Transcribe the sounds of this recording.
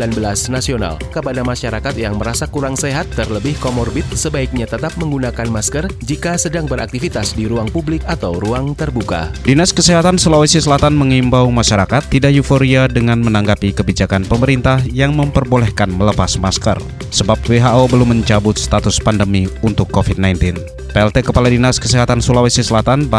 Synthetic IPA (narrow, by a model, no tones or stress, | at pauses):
lanbəlasnasiona̰lkəpadamaʃaɾakat̪jaŋməɾasakuɾaŋseɦat̪ːərləbɪhkomɔrbɪt̪̚səbaik̚ɲat̪ət̪ap̚məŋɡunakanmaskərd͡ʒikasədaŋbəɾa̰k̚t̪ifit̪asdiɾuaŋpublɪkat̪awɾuaŋt̪ərbuka̰dinaskəseɦat̪ansəlawisisəlat̪anməŋimbawmaʃaɾakat̪ːidaʔjufoɾiadəŋanmənaŋɡapikəbid͡ʒakanpəməɾint̪ahjaŋməmpərbolɛhkanmələpasmaskə̰r | səbap̚weɦaʔobəlumːəɲt͡ʃabʊt̪̚st̪at̪ʊspandəmiunt̪ʊkːofid̚najnt̪ɪn | peɛlt̪ekəpaladinaskəseɦat̪ansulawesisəlat̪anb